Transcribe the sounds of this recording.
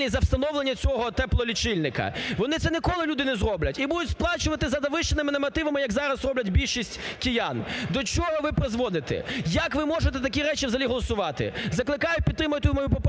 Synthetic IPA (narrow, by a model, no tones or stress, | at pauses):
nʲizɐwst̪ɐnɔwlˠenʲːɐt͡sʲɔɦɔt̪ɛplˠɔlʲit͡ʃɪlʲnɪkɐ̰ʋɔnɪt̪sɛnʲikɔlˠɪlʲud̪ɪnɛzrɔblʲɐtʲibud̪ʊtʲsplˠɑt͡ʃʊʋɐt̪ɪzɐd̪ɐʋɪʃt͡ʃenɪmɪnɐmɐt̪ɪʋɐmɪjɐɡzɑɾɐsrɔblʲɐtʲbʲilʲʃisʲtʲkʲɪjɑnd̪ɔt͡ʃɔɦɔʋɪpɾɪzʋɔd̪ɪt̪ɛ̰jɐkʋɪmɔʒet̪ɛt̪ɐkʲiɾɛt͡ʃiwzɐlʲiɦɔlˠɔsʊʋɑt̪ɪ̰zɐklˠɪkɑjʊt̚ʲpʲid̪ːɾɪmɐjʊt̪ɪjmɔjupɔp